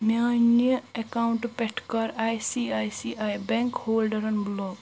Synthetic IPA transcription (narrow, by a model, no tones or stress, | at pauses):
njaːnjəekauɳʈpeʈʰkɐɾajsiajsiajbeŋkhoːlɖɐɾɐnblɔːɡ